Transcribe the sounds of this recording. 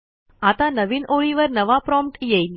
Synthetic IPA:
at̪anəʋiːnoɭiʋəɾnəʋapɾɔmpʈjejl

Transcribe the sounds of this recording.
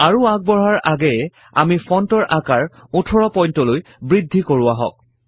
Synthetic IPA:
aɹuak̚bɔɹaɹaɡɛɛ | a̰mifʰɔntɔɹʔakaɹutʰɔɹɔpɔjntɔlojbɹidʱːikoɹʊaɦɔ̰k̚

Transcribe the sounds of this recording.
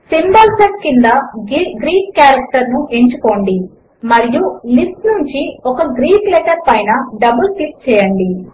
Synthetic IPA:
simbɐlsɐʈ̚kind̪ɐɡɾiːkːaːɾɐk̚ʈɐɾnuʔe̞ɲt͡ʃuko̞ːɳɖi | mɐɾijulisʈnuɲt͡ʃiokɐɡɾiːklɛːʈɐɾpɐjnɐɖɐbulpiʈ̚t͡ʃɛːjɐɳɖi

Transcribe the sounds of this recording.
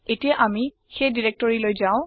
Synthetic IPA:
etijaʔami | xejdiɹek̚tɔɹilojzaʊ̃

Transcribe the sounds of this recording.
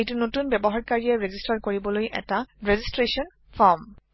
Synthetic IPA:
ejtunotunbɛbɔɦaɹkaɹiɛɹezistaɹkoɹibɔlojʔɛ̰taɹezistɹesiɔn | fʰɔɹm

